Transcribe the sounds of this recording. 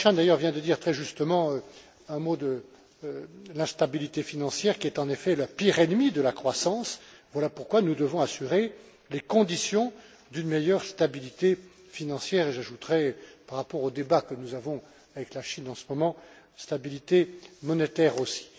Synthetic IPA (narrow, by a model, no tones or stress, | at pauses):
ʃɛ̃d̪ajœʁvjɛ̃d̪əd̪iʁt̪χɛʒyst̪əmɑ̃ø | ɛ̃mod̪ə | lɛ̃st̪abilit̪efinɑ̃sjɛʁkʲiɛt̪ɑ̃nefɛlapiʁɛnmid̪əlakχwasɑ̃svwalapuʁkwanud̪əvɔ̃asyʁe | lekɔ̃d̪isjɔ̃ | d̪ynmejœʁst̪abilit̪e | finɑ̃sjɛʁeʒaʒut̪ʁɛpaʁːapɔʁod̪ebakənuzavɔ̃ | avɛklaʃinɑ̃səmɔmɑ̃ | st̪abilit̪emɔnet̪ɛʁosi̥